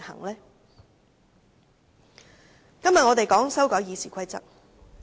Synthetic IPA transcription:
hɐ̰˨˩ŋlɛː˥ | kɐ˥mjɐ˨ŋɔː˨˧t̪e˨jkɔː˨˥ŋsɐ˥wkɔː˨˥jiː˨˧siː˨˩kʰʷɐ˥jt͡sɐ̰˥k̚

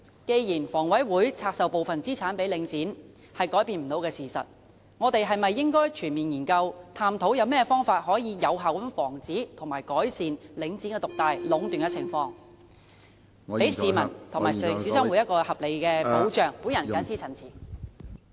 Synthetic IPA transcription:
ke˧jjiː˨˩nfɔː˨˩ŋwɐ˨˥jwuː˨˥jt͡sʰaː˧k̚sɐ˨wpo˨wfɐ˨nt͡siː˥t͡sʰaː˨˥npe˨˥jlɪ˨˧˥ŋt͡siː˨˥n | hɐ˨jkɔː˨˥jpiː˧nm̩˨˩t̪o˨˧wkɛː˧siː˨˩sɐ̰˨t̚ | ŋɔː˨˧t̪e˨˧jɦɐ˨jmɐ˨jːɪ˥ŋkɔː˥jt͡ʃʰyː˨˩nmiː˨˩njiː˨˩nkɐ˧wt̪ʰaː˧mt̪ʰo˨˥wjɐ˨˧wmɛː˥ɛ˧fɔː˥ŋfaː˧t̚ɦɔː˨˥jiː˨˧jɐ˨˧wɦaː˨wɐ˨˥nfɔː˨˩ŋt͡siː˨˥t̪ʰʊ˨˩maː˨˩jkɔː˨˥jsiː˨nlɪ˨˧˥ŋt͡siː˨˥nkɛ˧t̪ʊ˨k̚t̪aː˨˧jlʊ˨˥ŋt̪y˨nŋkɛ˧t͡sʰɪ˨˩ŋfɔː˧ŋ | pe˨˥jsiː˨˩mɐ˨˩nt̪ʰʊ˨˩ŋmaː˨˩jŋsiː˨˥sœː˥ŋwu˨˥jɐ˥t̚kɔː˧hɐ˨p̚le˨˧jkɛː˧po˨˥wt͡ʃœː˨˩ŋpuː˨˥jɐ˨˩nkaː˨˥nt͡sʰiː˥t͡sʰɐ˨˩nt͡sʰiː˨˩

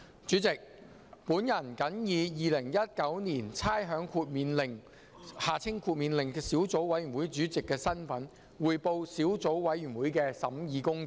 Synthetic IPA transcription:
t͡ʃyː˨˥t͡sɪ˨k̚ | puː˨˥njɐ˨˩nkɐ˨˥njiː˨˧jiː˨˧lɪ˨˩ŋjɐ˥t̚kɐ˨˥wniː˨˩nt͡sʰaː˥jɦœː˨˥ŋkʰuː˧t̚miː˨˧nlɪ˨˩ŋ | haː˨˩t͡sʰɪ˥ŋkʰuː˧t̚miː˨˧nlɪ˨˩ŋkɛː˧siː˨˥wt͡so˨˥wwɐ˨˥jy˨˩nwu˨˥jt͡ʃyː˨˥t͡sɪ˨kːɛː˧sɐ˥nfɐ˨˥n | wuː˨jpo˧wsiː˨˥wt͡so˨˥wwɐ˨˥jɥy˨˩nwuː˨˥jkɛː˧sɐ˨˥mjiː˨˧kʊ˥ŋ

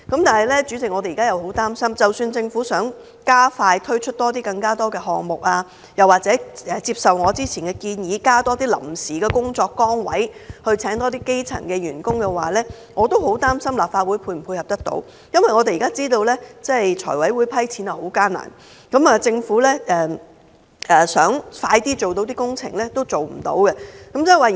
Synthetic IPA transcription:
kɐ˨˥mt̪aː˨˩nɦɐ˨˩jlɛː˥t͡ʃyː˨˥t͡sɪ˨k̚ŋɔ˨˧t̪e˨jiː˨kaː˥jɐ˨˧who˨˥wt̪aː˥msɐ˥mt͡sɐ˨wsyː˧nt͡sɪ˧ŋfu˨˥sœː˨˥ŋ | kaː˥faː˧jt̪ʰɵ˥ɥt͡ʃʰɵ˥t̚t̪ɔː˥t̪iː˥kɐ˧ŋkaː˥t̪ɔː˥kɛː˧ɦɔː˨ŋmʊ˨k̚aː˧ | jɐ˨˩waː˨k̚t͡sɛː˨˥ʔɛː˨˧t͡siː˧p̚sɐ˨wŋɔː˨˧t͡siː˥t͡sʰiː˨˩nkɛː˧kiː˧njiː˨˧˥kaː˥t̪ɔː˥t̪iː˥lɐ̰˨˩msiː˨kɛː˧kʊ˥ŋt͡ʃɔː˧kːɔː˥ŋwɐ̰˨˥jhɵ˧ɥt͡sʰɛː˨˥ŋt̪ɔː˥t̪̬iː˥ke˥jt͡sʰɐ̰˨˩ŋkɛː˧ɥyː˨˩nkʊ˥ŋkɛ˧waː˨lɛː˥ | ŋɔː˨˧t̪o˥who˨˥wt̪aː˥msɐ˥mlaː˨p̚faː˧t̚wuː˨˥jpʰuː˧jm̩˨˩pʰuː˧jhɐ˨p̚t̪ɐ˥k̚t̪o̰˧˥w | jɐ˥nwɐ˨jŋɔː˨˧e˨ji˨˩kaː˥t͡siː˥t̪o˧wlɛː˥t͡sɛ˥jt͡ʃʰɔ̰ː˨˩jwɐ˨˥jwuː˨˧jpʰɐ˥jt͡sʰiː˨˥nɐ˨ho˨˥wkaː˥na̰ː˨˩n | kɐ˨˥mɐː˨t͡sɪ˧ŋfuː˨˥lɛː˥ʔɛː˨˩ | ʔɛː˨sœː˨˥ŋfaː˧jt̪iː˥t͡so˨wt̪o˨˧˥wt̪iː˥kʊ˥ŋt͡sʰɪ̰˨˩ŋlɛː˥t̪o˥wt͡so˨wm̩̰˨˩t̪o̰˨˥wkɛ˧kɐ˨˥mt͡sɐː˥˨˩waː˨

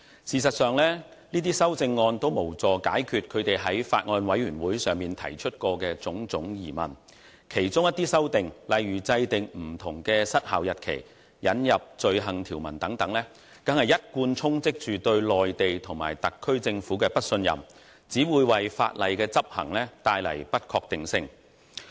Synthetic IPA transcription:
siː˨s̬ɐ˨t̚sœː˨˧ŋlɛː˥ | niː˥t̪iː˥sɐ˥wt͡sɪ˧ŋːɔː˧nt̪o˥wmo˨˩wt͡sɔː˨˩kaː˨˥jkʰyː˨t̚kʰɵ˨˧ɥt̪e˨jɦɐ˨˥jfa̰ː˧t̚ŋɔː˧nwɐ˨˧˥jɥyː˨˩nwuː˨˥jsœː˨ŋmiː˨nt̪ʰɐ˨˩jt͡ʃʰɵ˥t̚kɔː˧kɛː˧t͡sʊ˨˥ŋt͡sʊ˨˥ŋjḭː˨˩mɐ̰˨˩n | kʰe˨˩jt͡sʊ˥ŋjɐ˥t̪iː˥sɐ˥wt̪ɪ˨ŋlɐ˨jɥyː˨˩t͡sɐ˧jt̪ɪ˨ŋm̩˨˩t̪ʰʊ˨˩ŋkɛː˧sɐ˥t̚haː˨˩wjɐ˨t̚kʰḛ˨˩j | jɐ˨˥njɐ˨p̚t͡ʃɵ˨˧ɥɦɐ˨˩ŋt̪ʰiː˨˩wmɐ˨˩nt̪ɐ˨˥ŋt̪ɐ˨˥ŋlɛː˥ | kɐ˨˥ŋhɐ˨jɐ˥t̚kuː˧nt͡sʰʊ˥ŋt͡sɪ˥k̚t͡ʃyː˨t̪ɵ˧ɥlɔː˨jt̪e˨jt̪ʰʊ˨˩ŋma̰ː˨˩jt̪ɐ˨kʰːɵ˥ɥt͡sɪ˧ŋfuː˨˥kɛː˧pɐ˥t̚sɵ˧njɐ̰˨m | t͡siː˨˥wuː˨˧jwɐ˨jfa̰ː˧t̚lɐ˨jkɛː˧t͡sɐ˥p̚hɐ̰˨˩ŋlɛː˥t̪aː˧jlɐ̰˨˩jpɐ˥t̚kʰɔː˧k̚t̪ɪ˨ŋsɪ˧ŋ

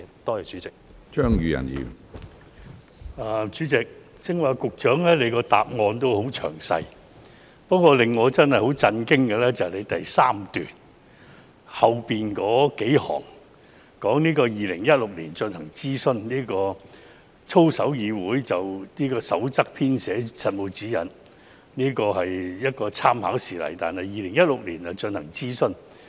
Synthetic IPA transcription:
t̪ɔː˥jɛː˨t͡ʃyː˨˥t͡sɪ˨k̚t͡ʃœː˥ŋjyː˨˧jɐ̰˨˩njḭː˨˩m | a˨t͡ʃyː˨˥t͡sɪ˨k̚ | t͡sɪ˨ŋwa˨kʊ˨k̚t͡ʃœː˨˥ŋlɛː˥le˨˧jkɔː˧t̪a̰ː˨p̚ŋɔː˧nt̪o˥who˨˥wt͡ʃʰœ̰ː˨˩ŋsɐ̰˧j | pɐ˥kʷwɔː˧lɪ˨ŋːɔː˨˧t͡sɐ˥nhɐ˨jho˨˥wt͡sɐ˧nkɪ˥ŋkɛ˧lɛː˥t͡sɐ˨hɐ˨˩le˨˧jt̪ɐ˨jsaː˥mt̪yː˨˩n | hɐ˨wpiː˨nkɔː˨˥ke˨˥jhɔ̰ː˨˩ŋ | kɔː˨˥ŋniː˥kɔː˧jiː˨lɪ˨˩ŋjɐ˥t̚lʊ˨k̚liː˨˩nt͡ʃɵ˧nhɐ˨˩ŋt͡siː˥sɵ˥nniː˥kɔː˧ | t͡sʰo˥wsɐ˨˥wjiː˨˧wuː˨˥jt͡sɐ˨wniː˥kɔː˧sɐ̰˨˥wt͡sɐ˥k̚pʰiː˥nsɛː˨˥sɐ˨t̚mo˨˧wt͡siː˨˥jɐ̰˨n | niː˥kɔː˧ɦɐ˨jjɐ˥t̚kɔː˧t͡sʰaː˥mɦa̰ː˨˥wsiː˨lɐ̰˨˩jt̪a̰ː˨nhɐ˨jːiː˨˧lɪ˨˩ŋjɐ˥t̚lʊ˨k̚liː˨˩nɐ˨t͡ʃɵ˧nhɐ˨˩ŋt͡siː˥sɵ˥n

